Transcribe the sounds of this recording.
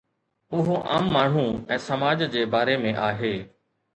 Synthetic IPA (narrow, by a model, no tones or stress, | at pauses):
ʊɦoʔa̰ːmːaːɳ̤ũɛ̃ːsɐmaːd͡ʑd͡ʑeːbaːɾemẽʔaːɦeː